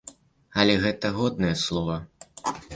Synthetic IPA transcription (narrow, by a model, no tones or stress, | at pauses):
ɐlʲɛɣɛt̪ɐɣɔd̪̚nɐjɛslˠɔvɐ